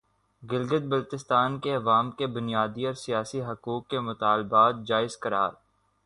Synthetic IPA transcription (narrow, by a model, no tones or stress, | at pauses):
ɡɪlɡəd̪̚bɐlt̪ɪst̪aːnkeɐʋaːmkebʊnijaːd̪iɔːɾsijaːsiɦɐkuːkːemʊt̪aːlbaːt̪̚d͡ʒaːɪzkɐɾa̰ːɾ